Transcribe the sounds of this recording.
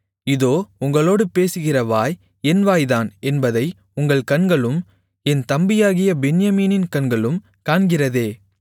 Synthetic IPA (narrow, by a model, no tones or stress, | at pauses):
ɪðoːʊŋɡɐɭoːɽɯpeːsɯɣɪrɐʋaːj | ɛnʋaːjðaːnɛnbɐðɐɪ | ʊŋɡɐɭkɐnɡɐɭɯm | ɛnt̪ɐmbɪjaːɣɪjɐbɛnɪjɐmiːnɪnkɐɳɡɐɭɯm | kaːnɡɪrɐðeː